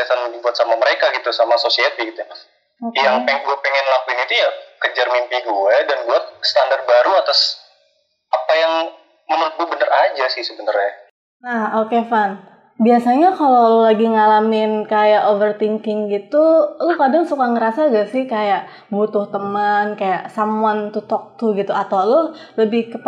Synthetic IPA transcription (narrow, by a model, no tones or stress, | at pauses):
asanibuat̪̚samaməɾekaɡit̪usamasosiat̪iɡit̪uja | ojaŋpɛŋɡuapɛŋɛnlampɪnit̪ujakəd͡ʒarmimpiɡuɛdanbuat̪̚st̪andar̚baɾuat̪as | apajaŋ | məməmpubənaɾad͡ʒasɪhsəbənarja | nahokefan | biasaɲakalolaɡiŋalamɪnkajaʔovərt̪iŋkɪŋɡit̪ulʊhkadaŋsukaŋəɾasaɡasɪhkajaʔ | but̪ʊht̪əmənkajaʔsamuant̪ut̪ɔk̚t̪uɡit̪uat̪awlʊhləbɪhkəp